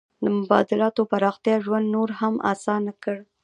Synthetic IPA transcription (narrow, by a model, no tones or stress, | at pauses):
d̪əmʊbɑ̰d̪ɪlɑt̪opaɾɑxt̪jɑʒwand̪noɾhamʔa̰sɑnakəɽ